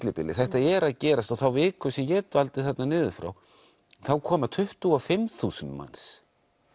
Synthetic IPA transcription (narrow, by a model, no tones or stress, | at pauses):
t̪lɪpɪ̰lːɪ̰θɛht̪aɛɾaðcɛːɾast̪ɔɣθawvɪðkʰvɛsɛmjɛt̪valt̪ɪθɛt̪nanɪːðʏfɾa̰w | θawkʰɔːmat̪ʰʏht̪ʏɔfɪmθuːsʏnt̪ma̰ns